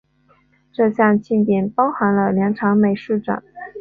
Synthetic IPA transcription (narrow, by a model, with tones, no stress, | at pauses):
ʈ͡ʂɤ˥˧ɕjɑ˥˧ŋt͡ɕʰi˥˩nt̪jɛ˥˩npɑ˥ʊxa˧˥nlə˧ljɑ˧˥ŋʈ͡ʂʰɑ˧˥ŋme˨˩ɪʂu˥˩ʈ͡ʂa̰˨˩˦